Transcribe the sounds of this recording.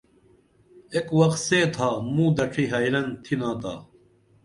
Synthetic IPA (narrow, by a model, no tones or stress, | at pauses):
ekwɐqt̪seːt̪ʰaːmũːd̪ɐʈʰiɦaːjlɐnt̪ʰinaːt̪a̰ː